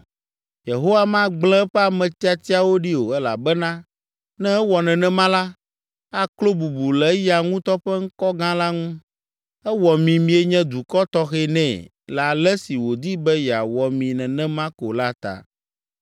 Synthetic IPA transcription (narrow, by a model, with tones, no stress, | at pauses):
je˨ɦo˦wa˦mã˦ɡ͡blɛ̃˦ɸɛ˦a˨mɛ̃˨t̪i˦a˨t̪i˦a˨wo˦ɖi˦o˨ɛ˦la̰˨bɛ˦nã˦ | nɛ̃˦ɛ˦wɔ˨nɛ̃˨nɛ̃˦mã˦la˦ | a˦klo˦bu˨bu˨lɛ˨˦ja˨ŋũ˦t̪ɔ˦ɸɛ˦ŋ̩˦kɔ˦ɡã˦la˦ŋũ˦ | ɛ˦wɔ˨mĩ˨mĩ˨˦e˦ɲɛ̃˦d̪u˨kɔ˦t̪ɔ˦xɛ˦nɛ̃˨ | lɛ˨a˨lɛ˦si˨wo˨d̪i˦bɛ˦jɛ˨a˨wɔ˨mĩ˨nɛ̃˨nɛ̃˦mã˦ko̰˨la˦t̪a̰˨